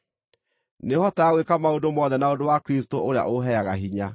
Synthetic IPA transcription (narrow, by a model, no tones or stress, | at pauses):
nehɔtaaɣwekamaodomɔðɛnaodowakɾistoʔoɾea̰ʔoɦɛaɣaɦiɲa